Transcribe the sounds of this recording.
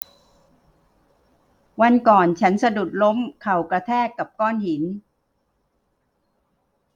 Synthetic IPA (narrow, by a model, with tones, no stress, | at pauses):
wa˧nkɔː˨˩nt͡ɕʰa˦˥nsa˧du˨˩t̪̚lo˦˥mkʰa˨˩wkɾa˧t̪ʰɛː˥˩kːa˨˩p̚kɔː˥˩nhi˩˦n